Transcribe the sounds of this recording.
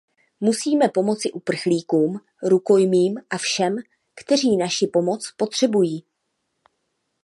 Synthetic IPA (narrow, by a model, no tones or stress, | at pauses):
musiːmɛpo̞mo̞t͡sɪʔupr̩xliːkuːm | ɾuko̞jmiːmʔafʃɛm | kt̪ɛr̝iːnaʃɪpo̞mo̞t͡spo̞t̪r̝̥ɛbujiː